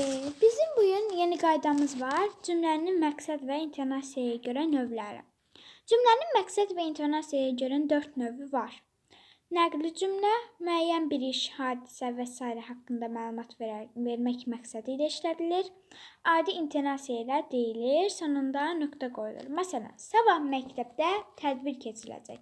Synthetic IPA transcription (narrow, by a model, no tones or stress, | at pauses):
bizimbujynje̞niɡɑjd̪ɑmɯzvɑɾd͡ʒymlæɾininmæksæd̪væint̪ʰe̞ɾnɑsijajɑɟø̞ɾænø̞vlæɾḭ | d͡ʒymlæninmæksæd̪væint̪ʰe̞ɾnɑsijajɑɟøɾænd̪ø̞ɾt̪ʰnø̞vyvɑɾ | næɡlid͡ʒymlæmyæjːænbiɾiʃhɑːd̪i̥sævæsɑːiɾæɦɑkːɯnd̪ɑmæːlˠumɑt̪ʰve̞ɾmæcmæksæd̪ilæiʃlæd̪iliɾ | ɑːd̪iint̪ʰe̞ɾnɑsijajlæd̪e̞jiliɾsonund̪ɑnø̞kt̪ʰæɡo̞jṵlˠṵɾmæsælæ̰nsɑbɑhmæct̪ʰæb̚d̪æt̪ʰæd̪biɾcʰe̞t͡ʃʰilæ̰d͡ʒæ̰c